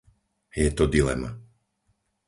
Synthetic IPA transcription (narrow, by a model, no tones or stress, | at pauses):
jɛt̪ɔd̪ilɛ̰ma̰